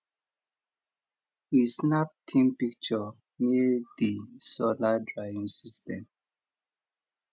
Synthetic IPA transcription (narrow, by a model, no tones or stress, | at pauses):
isnap̚tʰĩmpikt͡ʃɔ | medisɔladɹavĩŋsistʰɛ̃m